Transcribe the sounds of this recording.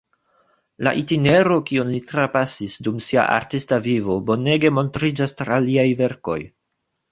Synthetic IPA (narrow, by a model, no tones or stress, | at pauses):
la̰ʔitine̞ɾo̞kionlitɾapasisdumsia̰ʔa̰ɾtistavivo̞bo̞ne̞ɡe̞mo̞ntɾid͡ʒastɾaliajve̞ɾko̞̰j